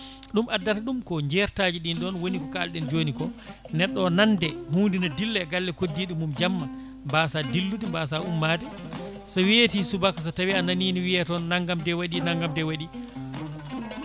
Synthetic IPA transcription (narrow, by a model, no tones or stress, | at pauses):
ɗumʔadːataɗumkɔɲd͡ʒɛɾtaːd͡ʒiɗinɗɔnwonikɔkalɗɛnd͡ʒoːnikɔ | nɛɗːɔnandɛhuːndinadilːɛɡalːɛkodːiɗimumd͡ʒamːa | mbaːsadilːutimbas̬aʔumːaːti | sawetisubakas̬atawiananiːniwiatɔnːaŋɡamdɛwaɗinaŋɡamdɛwaɗi